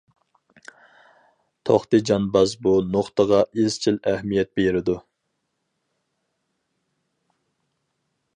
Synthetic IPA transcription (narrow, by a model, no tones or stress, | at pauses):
t̪ʰo̰χt̪ɨd͡ʒɑnbɑzbunoχt̪əʁɑʔizt͡ʃʰilæhmijɛt̪̚beɾɪd̪u